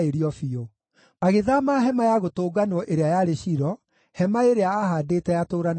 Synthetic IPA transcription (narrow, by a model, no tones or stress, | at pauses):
eɾiɔfio | maɣeðamaɦɛmajaɣotoːɡanɔʔeɾeajaɾeɕiɾɔ | hɛmaeɾeaːɦadeːtɛjatoːɾan